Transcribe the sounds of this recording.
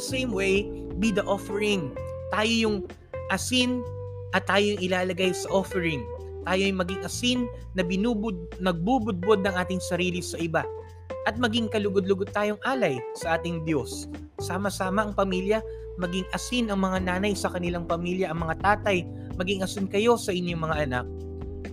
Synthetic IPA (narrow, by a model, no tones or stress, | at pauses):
sejmwej | bid̪ɐʔofɛɹɪŋ | t̪aːjojʊŋ | ʔɐsin | ʔɐt̪ːaːjoŋʔɪlaːlɐɡajsɐʔofɛɹɪŋ | t̪aːjoɐjmɐɡiŋʔɐsinː | ɐbɪnubʊd̪̚ | nɐɡ̚bubʊd̪̚bo̞d̪̚nɐŋʔaːt̪ɪŋsɐɾiːlɪsɐʔɪba | ʔɐt̪̚mɐɡiŋkɐlʊɡod̪̚lʊɡod̪̚t̪aːjo̞ŋʔaːlɐjsɐʔaːt̪ɪŋd̪jo̞sː | aːmɐsaːmɐʔɐŋpɐmiljɐ | mɐɡiŋʔɐsinɐŋmɐŋanaːnɐjsɐkɐnɪlaŋpɐmiljɐʔɐŋmɐŋat̪aːt̪ɐj | mɐɡiŋʔɐsɪnkɐjo̞sɐʔɪɲjo̞ŋmɐŋaʔɐna̰k̚